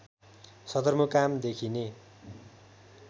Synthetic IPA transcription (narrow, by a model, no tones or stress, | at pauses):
sʌd̪ʌrmokamd̪ekʰine